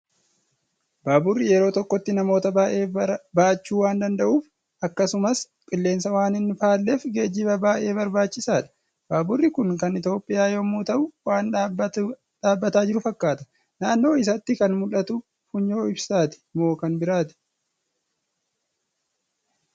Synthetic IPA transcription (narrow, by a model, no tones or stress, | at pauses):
baːbʊrːɪjɛɾo̞ːt̪ɔkːɔt̪ːɪnɐmo̞ːt̪ɐaːʔe̞ːbaːt͡ʃːuːwaːnd̪ɐnd̪ɐʔuːf | ʔɐkːɐsʊmɐs | kʼɪlːe̞ːnsɐwaːnɪnːɪfaːlːefɡeːd͡ʒiːbɐbaːʔe̞ːbɐɾbaːt͡ʃːɪsaːᶑɐ̥ | baːbʊrːɪkʊŋkɐnɪt̪jo̞ːpʼːɪjaːjomuːt̪ɐʔʊwaːnːb | ᶑaːbːɐt̪aːd͡ʒɪɾʊfɐkːaːt̪ɐ̥ | naːnːo̞ːɪs̬ɐt̪ːɪkɐnmʊlɐt̪ʊ | fʊɲːo̞ːɪbsaːt̪ɪ̥mo̞ːkɐnbɪɾaːt̪ɪ̥